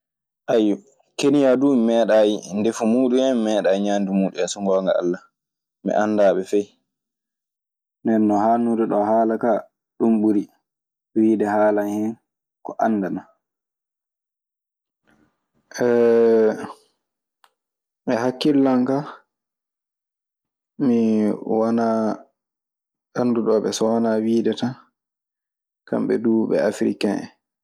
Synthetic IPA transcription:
ʔajːu | kenijadumɛːɗajndefumuːɗumɛmɛːɗaːjɲaːndumuːɗɛsɔŋɡɔːŋɡa̰a̰lːa | mɛ̰ʔandaːɓɛfɛj | nɛnːɔhaːnudɛɗɔhaːlaka | ɗumɓuɾi | ɗɔwiːdɛhaːlanhɛn | kɔʔanːdana | ʔɛ | ʔɛɦakːilːaŋka | miwanaː | ʔanːduɗɔːɓɛsɔwanawiːdɛtan | ka̰mɓɛ̰duːɓɛ̰afɾḭkaɛ̰

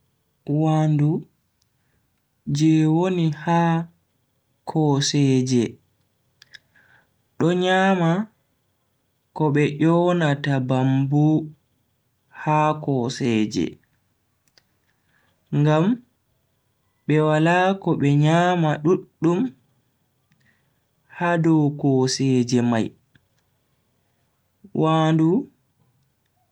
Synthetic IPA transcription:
wandu | d͡ʒɛwonihaː | kʰɔsɛːd͡ʒɛ | ɗɔɲaːma | kɔɓɛʔɔnatabambu | haːkɔːsɛːd͡ʒɛ̰ | ŋɡam | ɓɛwalaːkɔɓɛɲaːmaɗuɗːum | hadɔwkɔsɛːd͡ʒɛmaj | wʔaːndu

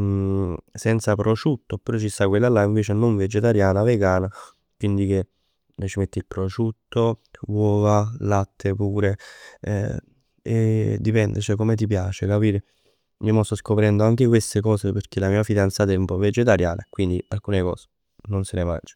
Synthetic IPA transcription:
sɛnt̪sapɾot͡ʃut̪ːopeɾɔt͡ʃist̪ːakwelːalaiɱveːt͡ʃenoɱved͡ʒet̪aɾjaːnaveɡaːna | kwind̪ik̟e | lat͡ʃimet̪ːilpɾot͡ʃut̪ːowɔːvalat̪ʰːepuːɾḛ | ed̪ːipɛnd̪ḛt͡ʃɛkomet̪̬ipjaːt͡ʃekapiːɾe | momost̪ːɔskopɾɛnd̪oaŋk̟ek̬west̪ekɔːseperk̟elamiːafid̪ant̪sat̪ɛumpɔved͡ʒet̪aɾjaːnʔakwind̪ialkuːnekɔ̰ːse̥ | nonsenema̰nd͡ʒe̥

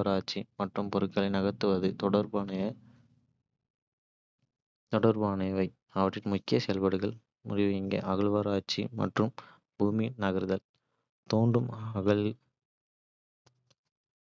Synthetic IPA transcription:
ɾaːt͡ʃːimɐʈrɯmpɔɾɯkːɐlɐɪnɐɣɐt̪ːɯʋɐðɯt̪ɔɽɐɾbnɐɐ | t̪ɔɽɐɾbaːnɐjʋɐɪ | ɐʋɐʈrːɪnmʊkːɪjɐsɛlʋɐɽɯɣɐɭ | mʊ̰rɪʋɐɪŋɡḛːʔɐɣɐɭʋɐɾaːt͡ʃḭmɐ̰ʈrɯm | buːminɐɣɐɾɯðɐl | t̪oːnɖrɯmɐɣɐɭ

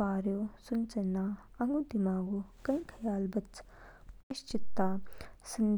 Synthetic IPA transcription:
aːɾjoːsunt͡ʃɐnːaɐŋɡud̪imaːɡukɐĩkʰɐjaːlbɐt͡s | iʃt͡ʃit̪ːaːsɐn

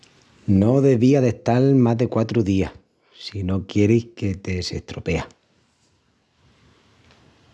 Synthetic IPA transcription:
no̞ðe̞βiaðe̞ht̪almazðe̞kwat̪ɾuðia | sino̞kje̞ɾihke̞t̪e̞se̞̰ht̪ɾo̞pe̞a

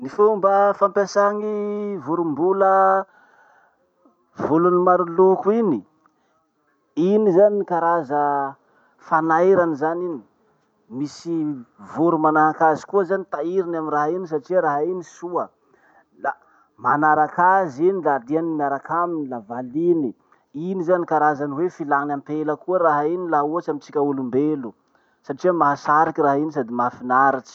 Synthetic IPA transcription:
nifumbəfampesaŋivuɾumbulə | vulunimaɾulukuini | inizaniikaɾazə | fanajɾanizanini | misivuɾumanaɦakazi̥kuəzanit̪aiɾinaminraɦinis̬aʈ͡ʂiɾaɦainisuə | la | manaɾakazinilad̪ianimiaɾakaminilavalini | inizanikaɾazaniwefilanampeləkuəɾaɦainilauat͡ʃamit͡sikʲaulumbelu | saʈ͡ʂiamaɦasaɾikiraɦinis̬ad̪imafinaɾaʈ͡ʂi̥

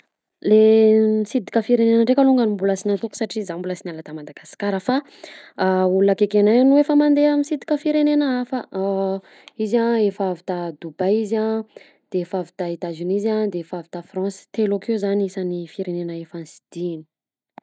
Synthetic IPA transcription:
lemisid̪i̥kʲəfiɾenenəɳɖ͡ʐekaluŋɡənimbulasinant̪ukusaʈ͡ʂizambulasinalat̪amad̪aɡ̥asi̥kaɾəfa | ulunəkekenajnuefəmand̪eəmisid̪i̥kʲəfiɾenenəafə | izãefavit̪ad̪ubajizã | d̪̥eefavit̪ait̪azinizãd̪eefavit̪afrɑ̃si̥t̪elokeuzaniisanifiɾenenəefansi̥d̪̥ini̥

